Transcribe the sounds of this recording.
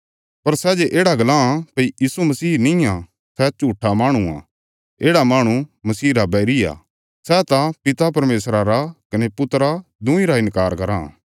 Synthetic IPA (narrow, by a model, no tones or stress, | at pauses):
pɐɾsɛd͡ʒeʔeːɽaɡɐlãpɐijiːsumɐsiːnɪ̃jã | sɛt͡ʃuːʈʰamaːɽ̃uã̰ | eːɽamaːɽ̃umɐsiːɾabɛːɾija̰ː | sɛt̪ãpɪt̪apɐɾmeːsɾaɾakɐnepʊt̪ɾad̪ʊ̃ĩɾaɪnkaːɾkɐɾã̰ː